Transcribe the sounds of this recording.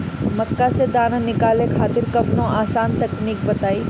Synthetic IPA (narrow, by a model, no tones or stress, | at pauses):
mɐkːased̪aːnənɪkaːlekʰaːt̪ɪɾkɐbnõaːsaːnt̪ɐkniːk̚bɐt̪aːiː